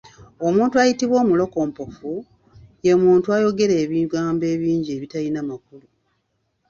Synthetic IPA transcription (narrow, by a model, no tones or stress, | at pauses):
o̞muːntuajitiβwo̞ːmulo̞ko̞ːmpofu | jemuːntuajo̞ɡe̞ɾe̞ːβiɡaːmbe̞ːβiːɲɟieːβitalinamakulu